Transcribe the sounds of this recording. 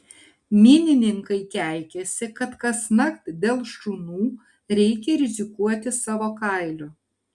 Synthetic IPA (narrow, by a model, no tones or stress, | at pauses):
mʲɪːnʲɪnʲɪŋkɐɪkʲæˑɪkʲɛsʲɪkɐt̪kɐsnɐkt̪d̪ʲeːlˠʃtunuː | ɾʲɛɪkʲɛɾʲɪzʲɪkuɔt̪ʲɪsɑːʋoːkɑˑɪlʲoː